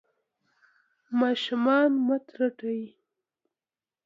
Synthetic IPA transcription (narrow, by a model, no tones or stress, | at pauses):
mɑʃʊmɑnmat̪ɾaʈai